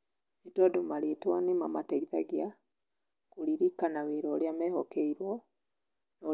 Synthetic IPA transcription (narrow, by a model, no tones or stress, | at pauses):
itɔdomaɾetwanemamataiða̰ɡja | kuɾiɾikːanaweɾɔːljamɛːhɔkɛiɾwɔ | nɔ